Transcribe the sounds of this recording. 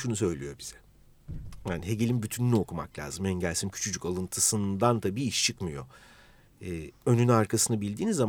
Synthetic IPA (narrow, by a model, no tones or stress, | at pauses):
ʃunus̬ø̞jlʲijo̞biz̥ɛ̥ | jaːniɦe̞ɟelʲimbyt̪ʰynylʲyo̞kʰuma̰klʲa̰ːzɯmɛɲɟælʲsimcʰy̥t͡ʃʰyd͡ʒyckalˠɯnt̪ʰɯsɯnd̪ant̪ʰabiːiʃt͡ʃʰɯkmɯjo̞̰ | ɛːønynaɾkʰasɯnabilʲd̪iːnizːam